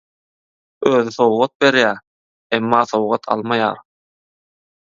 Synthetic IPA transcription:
øːðyθo̞wʁɑt̪̚be̞ɾjæː | emːɑːθo̞wʁɑt̪ʰɑ̰lˠmɑjɑ̰ːɾ

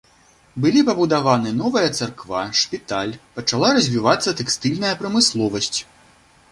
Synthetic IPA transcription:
bɨlʲipɐbud̪avanɨnɔvɐjɐt̪sarkvaʂpʲit̪alʲpɐt͡ʂalˠaɾɐzʲvʲivat̪sːɐt̪ɛkst̪ɨlʲnɐjɐpɾɐmɨslˠɔvɐsʲt͡sʲ

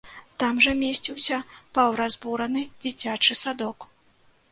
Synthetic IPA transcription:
t̪amʐɐmʲesʲt͡sʲiwsʲɐpɐwɾazbuɾɐnɨd͡zʲit͡sʲat͡ʂɨsad̪ɔk

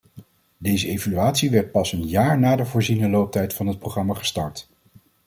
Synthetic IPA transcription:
dejzəejvalyaːtsiʋɛɹt̚pɑsənjaːɹnaːdəvoːɹzinəlowp̚tɛjtfɑnɦət̚prowχrɑmaχə̥stɑɹt

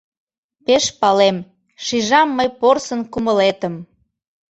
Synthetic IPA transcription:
peʃpɑlem | ʃiʒɑmːəjporsənkuməlet̪əm

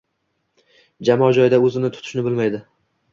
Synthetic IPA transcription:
d͡ʒamɒd͡ʒɒjd̪aɵzɪnɪt̪ʰʊ̥t̪ʰʊ̥ʃnɪbɪlmajd̪ɪ

